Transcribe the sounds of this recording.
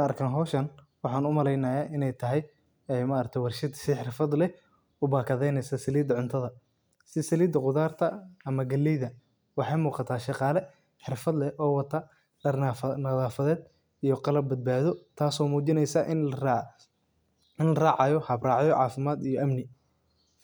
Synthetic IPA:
ɐrkʰɐːnɦɔːʃɐn | wɑħɑːnʊmɐlɛjnɐjaːʔɪnɛjt̪ʰɐɦɛj | ɛjmɐːɾkt̪ʰɔwɑrʃɪd̪sɪħɪrfɐd̪lɛ | ʊbaːkʰɐðɛjnɛjsɐsɐliːd̪ʕʊnt̪ʰɐðɐ | sɪsɐliːd̪ɐqʊðaːrt̪ʰɐɐmɐɡɐlːɛjðɐ | wɑħɑjmuːqɑt̪ʰaːʃɑqɑːlɛ | ħɪrfɐd̪lɛʔɔːwɑt̪ʰɐ | ɖɐrnɐðaːfɐðɛːd̪ | ijɔqɑlɐb̚bɐd̪̚baːðɔt̪ʰaːsɔːmuːt͡ʃɪnɛjsɐʔɪ | ɪnrɑːʕɑjɔhɐbrɑːʕjɔʕɑːfɪmaːd̪ijɔʔɐmnɪ

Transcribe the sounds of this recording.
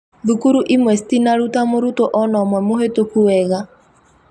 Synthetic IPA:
ðukuɾuʔimwɛstinaɾutamoɾutoʔɔnɔmwɛmohetokuwɛɣa

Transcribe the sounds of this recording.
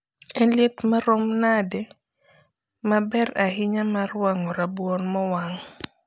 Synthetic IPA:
ɛnljɛtmaɾɔmnadɛ | mabɛɾaɦɪɲamarwaŋɔɾabwɔnmɔwaŋ

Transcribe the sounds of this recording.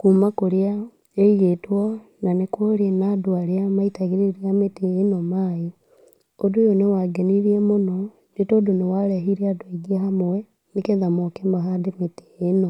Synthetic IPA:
kuːmakoɾia | eiɣetwɔnanekoɾenadoaɾjamaitaɣeɾeɾiametenɔmaːe | odujonewaɡeniɾiɛmonɔ | ndetoːdonewaɾɛɦiɾiadweɡieɦamoɛ | nekeðamokembaɦademete̥ːno

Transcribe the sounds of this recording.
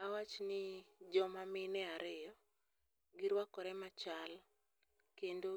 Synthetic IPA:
awat͡ʃnɪd͡ʒɔmamɪnɛaɾɪjɔ | ɡɪɾwakɔɾɛmat͡ʃal | kendo

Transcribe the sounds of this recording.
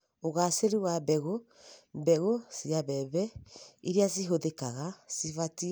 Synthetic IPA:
oɣaseɾiwabɛɣo | bɛɣosiaβɛβɛiɾias̬iɦoðekaɣasivati

